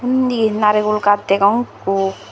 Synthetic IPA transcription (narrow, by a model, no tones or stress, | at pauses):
und̪inaɾekulkat̪ːekɔŋku